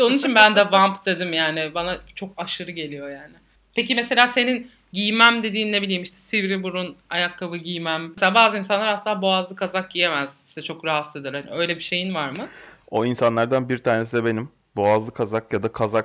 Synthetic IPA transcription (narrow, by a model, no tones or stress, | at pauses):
ʃounit͡ʃʰinbænd̪ɛvampd̪e̞d̪imjaːnɪbanat͡ʃʰo̞kaʃɯɾɯɟe̞lʲijo̞jaːnɪ | pʰecimese̞lʲaːse̞nin | ɟijmæmd̪e̞d̪iːnːe̞bilʲiːmiʃt̪ʰɛ̥sivɾibuɾuna̰jakʰːavɯɟijmæmeselʲaːbaːzɯinsanlˠaɾasɯnabo̞azlˠɯkʰazak̚ɟije̞mæz̥iʃt̪ʰɛt͡ʃʰo̞kɾaɦat̪lˠed̪iɾhanḭø̞jlʲebiʃe̞jinvaɾmɯo̞insanlˠaɾd̪anbiɾt̪ʰaːnesid̪ɛbe̞nim | bo̞azlˠɯkʰazakjad̪akʰazak